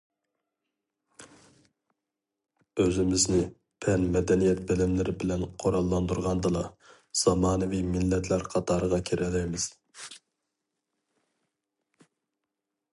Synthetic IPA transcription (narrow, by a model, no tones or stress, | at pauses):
øzɪmɪznɪ | pʰɛnmɛd̪ɛnijɛt̪̚bɪlɪmlɪɾɪbɪlɛnqʰoɾɑlˠːɑnd̪uɾʁɑnd̪ɨlˠɑ | z̥ɑmɑːnɨvimɪlːɛt̪ʰlæɾqʰɑt̪ʰɑːɾəʁɑkʲʰeɾʔɛlɛjmɪz̥